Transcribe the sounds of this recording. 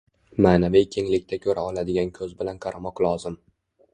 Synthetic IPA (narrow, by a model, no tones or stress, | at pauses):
maːnavijkʲʰe̞ŋlɪkʲt̪ʰakʲʰɵɾʔaɒlad̪ɪɡʲankʲʰɵzbɪlanqʰɑɾamɒqlˠɒzɪm